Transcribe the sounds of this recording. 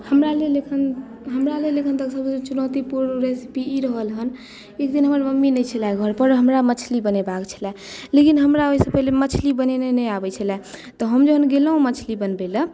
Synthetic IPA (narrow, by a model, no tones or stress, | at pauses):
həmɾalelekʰən | ɦəmɾalelekʰənt̪əksəbt͡ʃunəwt̪ipuɾɾesi̥piiɾəɦəlɦən | ekd̪inɦəməɾməmːinəjt͡ʃʰəlaɡʱəɾpəɾɦəmɾamət͡ʃʰlibənebakt͡ʃʰə̥lɛ | lekinɦəmɾaoisə̃pəɦlemət͡ʃʰlibənenenəjabɛt͡ʃʰəlɛt̪ɔɦəmd͡ʒəɦənɡeləɦũmət͡ʃʰlibənbelə